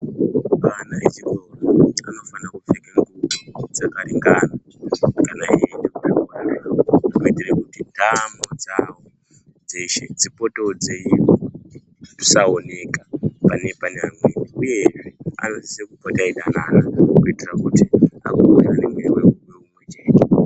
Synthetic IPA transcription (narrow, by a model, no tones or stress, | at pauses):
kanaet͡ʃiɗoraa̰no̞fanakufekeŋɡuud͡zakaɾiŋɡaːna | kanaendekuanikoitirekutidʱamod͡zawo | d͡ze̞ʃe̞̰d͡zipotod͡zeio | musaone̞kapane̞paɲamweːniuje̞ʐea̰nosisekupotaiɗanaːɾakuitirakutia̰kooranemwewewekumwet͡ʃeːna